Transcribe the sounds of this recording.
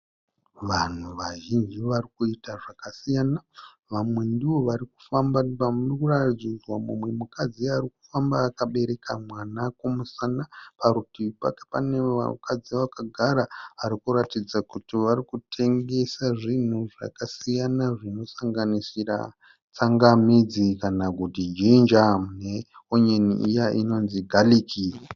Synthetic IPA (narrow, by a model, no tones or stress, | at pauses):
ʋan̤uʋaʒind͡ʒiʋarikuitaʐakasijaːna | ʋamwe̞ndiʋo̞ʋaɾiku̥fambapamurkuratid͡zid͡zwamumwe̞mukʰad͡ziarik̚u̥fambaːkaɓe̞ɾe̞kʰamwanakomusanapaɾutiʋipa̰kḁpanea̰kʰad͡ziʋakaɡʱaɾaaɾikuɾatid͡zakutiʋarikutʰe̞ŋɡe̞saʐin̤uʐa̰kasijanaʐino̞saŋɡanisira̰ | t͡saŋɡamid͡zikanaɡʱudʱid͡ʒind͡ʒamne | oɲenḭʔijaʔino̞nziɡʱalikʰi